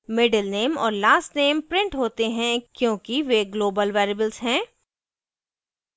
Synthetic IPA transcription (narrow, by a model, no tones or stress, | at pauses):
mɪɖəlneːmɔːɾlaːsʈneːmpɾɪ̃ɳʈɦoːt̪eɦɛ̃kjõːkiʋeɡloːbəlʋaːɾɪbəlz̥ɦɛ̃ː